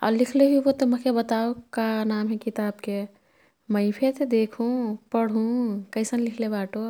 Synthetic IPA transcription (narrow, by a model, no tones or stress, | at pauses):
a̰ːlikʰleɦibot̪omɐkebət̪aokanamɦɛ̃kit̪aːbke | məipʰet̪ed̪eːkʰũpəɽ̤ɦũkəɪsənlikʰlebaːʈo